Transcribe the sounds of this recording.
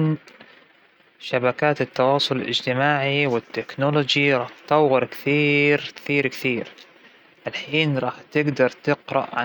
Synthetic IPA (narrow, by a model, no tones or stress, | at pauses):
n | ʃabakaːt̪ɪt̪ːɑwɑːsˤʊlɪlʔɪ̰d͡ʒt̪ɪmaːʕiwɪt̪ːɪknolod͡ʒiɾˤɑːħt̪ˤɑwɣɑɾˤkθiːɾkθiːɾkθiːɾ | ʔalħiːnɾˤɑːħt̪ɪɡd̪ɑɾˤt̪ɪqɾɑ̰ʔʕa